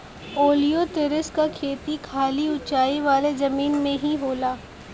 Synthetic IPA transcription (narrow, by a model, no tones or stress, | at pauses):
oːlijot̪ɪɾɪskakʰeːt̪ikʰaːliʊt͡ʃaːiʋaːlezɐmiːnmẽɦiɦoːlaː